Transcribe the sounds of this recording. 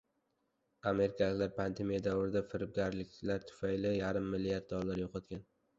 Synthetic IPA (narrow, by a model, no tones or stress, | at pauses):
ame̞ɾɪkʲʰalɪkʲlaɾpʰand̪e̞mijad̪awɾɪd̪afɪɾɪb̚ɡʲaɾlɪkʲlaɾt̪ʰʊ̥fajlɪjaɾɪmːɪlːijaɾd̪̚d̪ɒllːaɾjoqʰɒt̪̚kʲan